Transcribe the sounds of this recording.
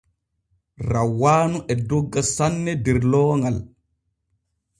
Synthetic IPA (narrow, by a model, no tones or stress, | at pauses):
rawːaːnuʔɛdɔɡːasanːɛdɛɾlɔːŋɡal